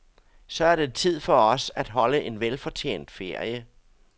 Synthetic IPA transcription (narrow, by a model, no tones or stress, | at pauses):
sɒ̽æɐɾe̝t͡sʰið̞̰ˠfɒ̽ɒ̽sæd̥ɦɒ̽ləʔe̝nʋelfɒ̽t͡sʰḛːn̰d̥fe̝ɐ̰jə